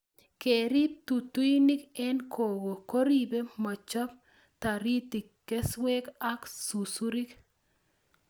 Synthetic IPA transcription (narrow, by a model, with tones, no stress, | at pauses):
ke˨ɾi˦p̚t̪u˨t̪u˦i˦ni˦kɛ˦nkʰo˨ɡo˨ko˦ɾi˦be˦mɔ˨t͡ʃɔ˦p | t̪a˨ɾi˦t̪i˨ | kːɛ˦swe˦ka˦ksu˨su˦ɾi˦k